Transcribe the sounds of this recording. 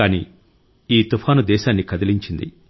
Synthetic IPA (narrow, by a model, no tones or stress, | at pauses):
aːnḭː | iːt̪upʰaːnud̪ɛːʃaːnːikɐd̪ɐliɲt͡ʃind̪ḭ